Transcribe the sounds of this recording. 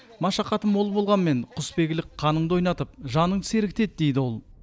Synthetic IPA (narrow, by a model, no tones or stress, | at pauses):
mɑʃɑqɑt̪əmwo̞lˠbo̞lˠʁɑnme̞ɴqʰʊspe̞ɡʲɪlɪk̚qʰɑnəɴd̪o̞jnɑt̪əp̚ʒɑnəɴse̞ɾɪk̚t̪e̞t̪̚d̪e̞jd̪ɪwo̞lˠ